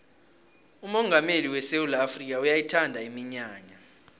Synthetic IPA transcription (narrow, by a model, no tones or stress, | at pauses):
umɔŋɡʱameliwɛseulafrik̬ʼaujajitʰandʱaimiɲaːɲa